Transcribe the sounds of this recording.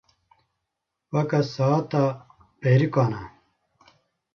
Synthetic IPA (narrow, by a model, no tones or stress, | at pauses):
wɐkɐsaːt̪a | peːɾikaːna